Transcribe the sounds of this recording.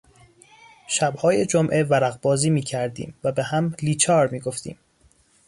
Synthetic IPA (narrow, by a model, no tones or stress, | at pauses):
ʃæbhɒːjed͡ʒomʔe̞væɾæɣbɒːziːmiːcʰæɾd̪ḭːmvæbehæmliːt͡ʃʰɒːɾmiːɡo̞ft̪ḭːm